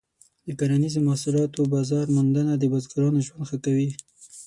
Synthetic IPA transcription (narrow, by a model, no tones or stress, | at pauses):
d̪̥əkaɾanizomahsulɑt̪obɑzɑɾmʊnd̪anad̪əbazɡaɾɑnoʒwand̪xəkawi